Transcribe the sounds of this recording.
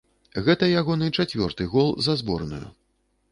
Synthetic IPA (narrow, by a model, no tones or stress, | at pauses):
ɣɛt̪ɐjaɣɔnɨt͡ʂat͡sʲvʲɔ̰rt̪ɨɣɔlˠzɐzbɔ̰rnṵjṵ